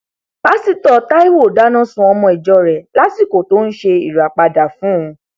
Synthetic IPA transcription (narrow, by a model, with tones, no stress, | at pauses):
b̥a˦si˧tɔ˨ta˦i˦wo˦˨da˨˦nã˦sũ˧˦ɔ˧mɔ̃˧i˨d͡ʒɔ˧ɾɛ˨la˦si˦˨ko˨to˦n̩˦ʃe˧i˨ɾa˨k͡pa˧da˨fũ˦ũ˧